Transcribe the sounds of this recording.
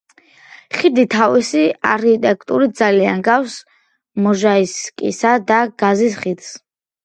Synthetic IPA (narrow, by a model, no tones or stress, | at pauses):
χid̪it̪ʰavisiaɾkʰit̪ʼɛkʼt̪ʼuɾit̪̚d̪zalianɡafs | mɔʒaiskʼḭsad̪aɡ̥azisχid̪s